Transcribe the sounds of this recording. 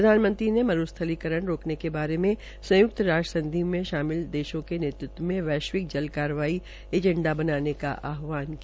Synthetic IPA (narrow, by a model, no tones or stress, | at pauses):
pɾɐd̪ʱaːnmə̃nt̪ɾinemɐɾust̪ʰəlikəɾəɽ̃ɾoːknekebaːɾemẽ | sɐ̃jʊk̚t̪ɾaːd͡ʒəsɐ̃nd̪ʱimẽʃaːmɪld̪eːʃõkeneːt̪ɾʊt̪wəmẽʋɛːʃʋɪk̚d͡ʒɐlkaːɾəʋaːi | eːd͡ʒɛ̃ɳɖabɐnaːneka̰ʔaːɦʋaːnkia